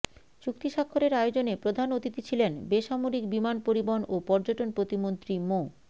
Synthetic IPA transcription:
t͡ɕuk̚t̪iʃakʰːoɾeɾaeod͡ʑonepɾod̪ʱanot̪it̪it͡ɕʰilenbeʃamoɾik̚bimanpoɾibonopɔɾd͡ʑoʈonpɾot̪imont̪ɾimo

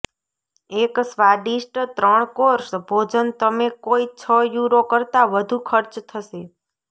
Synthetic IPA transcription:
eksʋaɖisʈt̪ɾəɳ̃koɾsbʱod͡ʒənt̪əmekoit͡ʃʰəjuɾokəɾt̪aʋəd̪ʱukʰəɾt͡ʃt̪ʰəʃe

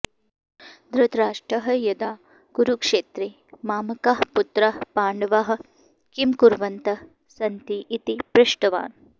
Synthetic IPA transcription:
d̪ɾut̪ɾaːʂʈɾɐɦɐjɐd̪aː | ɡ̥uɾukʂeːt̪ɾi | maːmɐkɐɦput̪ɾɐpaːɳɖɐʋɐɦɐ̆ | kimkuɾʋɐnt̪ɐ | sɐnt̪iʔːt̪ipɾɪʂʈɐʋa̰ːn

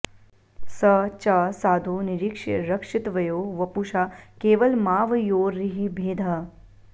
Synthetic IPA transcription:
sɐt͡ʃasaːd̪ʱuniɾikʂɐɾɐkʂit̪ʋɐjoːʋɐpuʃaːkeːʋɐlmaːʋɐjoːɾːiɦibʱeːd̪ʱɐ

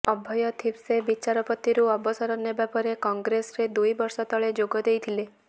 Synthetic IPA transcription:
ɔbʱɔjɔt̪ʰibsebit͡ʃaɾɔpɔt̪iɾuɔbɔsɔɾɔnːebapɔɾekɔŋɡɾesɾed̪ujbɔɾsɔt̪ɔɭed͡ʒoɡɔd̪ejt̪ʰile

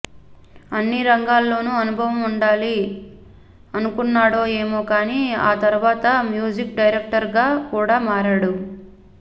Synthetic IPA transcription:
ɐnːiɾɐŋɡaːlːo̞ːnuɐnubʱɐʋɐmuɳɖaːli | ɐnukunːaːɽo̞ːe̞ːmoːkaːnia̰ːt̪ɐɾuʋaːt̪ɐmjuːd͡ʒik̚ɖɐjɾek̚ʈɐɾɡaːkuːɽaːmaːɾɐɽu

